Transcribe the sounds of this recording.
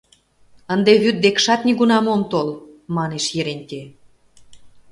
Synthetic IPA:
ənd̪eβyt̪̚d̪ekʃɑt̪nʲiɣunɑmomt̪olmɑneʃjeɾenʲt̪ʲe

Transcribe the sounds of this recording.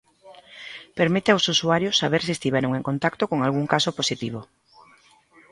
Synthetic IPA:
peɾmit̪eawsusuaɾjosːaβ̞eɾsiest̪iβɛɾoŋeŋkont̪akt̪okoŋalɣuŋkasoposit̪iβ̞o

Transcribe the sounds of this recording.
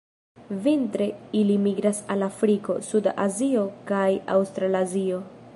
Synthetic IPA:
vintɾe̞ilimiɡɾasalafɾiko̞̰sudaʔazio̞kaja̰wst̪ɾalazio̞

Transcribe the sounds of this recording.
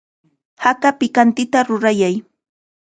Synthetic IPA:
hakapɪkant̪ɪt̪aɾʊɾajaj

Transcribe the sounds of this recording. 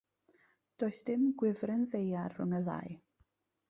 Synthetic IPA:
d̥oːɨsd̥ɪmɡwɪvrɛnðejarhʊŋəða̰j

